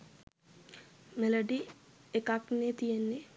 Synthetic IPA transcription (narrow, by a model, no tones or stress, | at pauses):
meloɖiekaknet̪ijenːe